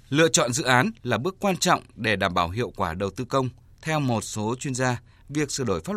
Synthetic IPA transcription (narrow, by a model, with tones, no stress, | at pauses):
lɨ̰˧˨ət͡ɕɔ̰˧˨nzɨ̰˧˨ʔaː˨˦nlaː˨˩ɓɨ˦˥əkːwaː˧nt͡ɕɔ̰˧˨wŋ͡mɗe˧˩ɗaː˧˩mɓaː˧˩wɦḭ˧˨əwkwaː˧˩ɗə˨˩wt̪ɨ˧kə˧wŋ͡m | t̪ʰɛ˧wmo˨˩t̚so˨˦t͡ɕwi˧ənzaː˧ | vi˨˩ək̚sɨ̰˧˩əɗo˧˩jfaː˦˥